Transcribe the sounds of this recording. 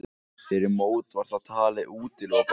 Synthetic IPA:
fɪɾɪɾmoːwt̪vaɾ̥t̪at̪ʰaːlɪʔuːt̪ɪlak

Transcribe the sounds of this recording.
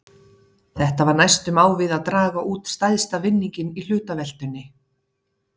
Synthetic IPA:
θɛht̪avaɾnajst̪ʏmaːwvɪðaðt̪ɾaːɣaʔuːt̪st̪ajðst̪avɪnːiɲcɪnil̥ʏːt̪avɛl̥t̪ʏnːɪ

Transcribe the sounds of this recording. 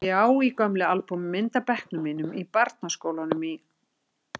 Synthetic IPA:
aːwikœmlɪalpummɪnt̪apɛhknʏmiːnʏmipaɾt̪naskoːwlanʏmi

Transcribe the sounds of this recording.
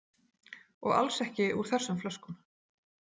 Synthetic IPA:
ɔɣa̰lsɛhcɪʔuɾ̥θɛsːʏmflœskʏm

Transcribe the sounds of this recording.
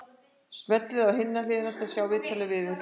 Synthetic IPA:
smœt̪lɪðawɦɪnːalɪːðɪnat̪ʰɪasjaːwvɪːt̪ʰaːlɪvɪðɪ

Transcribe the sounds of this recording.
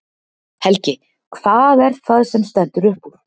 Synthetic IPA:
hɛlcɪ | kʰv̥aːðɛɾkθaðsɛmst̪ɛnt̪ʏɾʏhpuɾ̥

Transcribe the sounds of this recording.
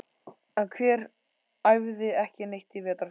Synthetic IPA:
ɛnkʰvɛːɾ | ajvðɪɛhcɪnejht̪ɪvɛːt̪a

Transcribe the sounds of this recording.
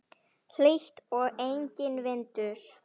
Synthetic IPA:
l̥eht̪ɔɣejɲcɪnvɪnt̪ʏɾ̥

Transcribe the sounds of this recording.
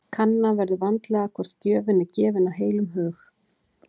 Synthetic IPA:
kʰanːavɛɾðʏvant̪lɛɣakʰɔɾ̥t̪cœːvʏnːɪcɛːvɪnaɦeːjlʏmɦœːx

